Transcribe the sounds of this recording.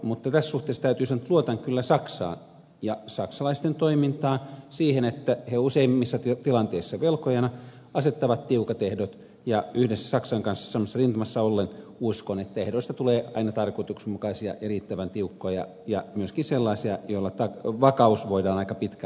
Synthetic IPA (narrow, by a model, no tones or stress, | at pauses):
mut̪ːɑt̪æssuht̪eˑːst̪æyt̪yːsɑnːt̪luot̪ɑŋkylːæsɑksɑ̰ːn | jɑsɑksɑlɑist̪ent̪oimint̪ɑːnsiːhenet̪ːæheouseimːisːɑt̪it̪ilɑnt̪eisːɑʋelkojɑnɑ | ɑset̪ːɑʋɑt̪t̪iukɑt̪ehdot̪ | jɑyhdesːæ̥sɑksɑŋkɑnsːɑ̥sɑmːɑsːɑrint̪ɑmɑsːɑolːenuskonet̪ːæehdoist̪ɑt̪uleːɑ̰inɑt̪ɑrkoit̪uksmukɑisiɑ̰ʔɑriˑːt̪ːæʋænt̪iukːoːjɑ̰ | jɑmyøskinselːɑisiɑjoilːɑt̪ɑʋɑkɑusʋoidɑːnɑikɑpit̪kæ